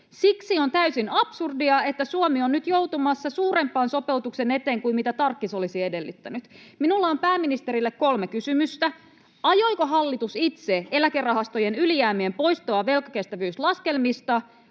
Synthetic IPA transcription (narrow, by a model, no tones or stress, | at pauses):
siksio̞nt̪æysinɑpsurdiɑe̞t̪ːæsuomionnyt̪jo̞wt̪umɑsːɑsuːɾe̞mpːˑɑːnso̞pe̞wt̪ukse̞ne̞t̪e̞ːŋkuimmit̪æt̪ɑrkːiso̞lisie̞de̞lːyt̪ːænyt̪minulːɑompæːminist̪e̞ɾilːekko̞lmekysymyst̪æ | ɑjo̞jko̞ɦɑlːit̪usit̪seelækerɑɦɑst̪o̞jenylijæːmiempo̞ist̪oɑʋelkɑ̥ke̞st̪æʋyːslɑske̞lmist̪ɑ